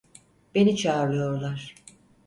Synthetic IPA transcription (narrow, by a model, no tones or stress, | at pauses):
b̥e̞nit͡ʃʰaːɾlˠɯjo̞ɾlˠaɾ̥